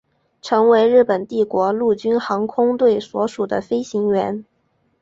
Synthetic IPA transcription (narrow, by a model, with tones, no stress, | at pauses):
ʈ͡ʂʰɤ˧˥ŋwe˧˥ɪɻɻ̩˥˩pə˨˩nt̪i˥˩kwɔ˧˥lu˥˩t͡ɕy˥nxɑ˧˥ŋkʰʊ˥ŋt̪we˥˩ɪswɔ˧˥ʂu˨˩d̪ə̰˦fe˥ɪɕi˧˥ŋɥɛ˧˥n